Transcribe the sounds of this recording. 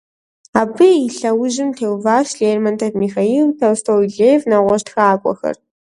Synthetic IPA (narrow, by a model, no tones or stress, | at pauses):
aːbɨiɬɐwʊʒɪmtʰeːwvaːʃɮeːrmɐntʰɐfmiːxaiːltʰɐwstʰowɮeːvnaʁʷɔʃtxaːkʷʼɔ̰xɐ̰r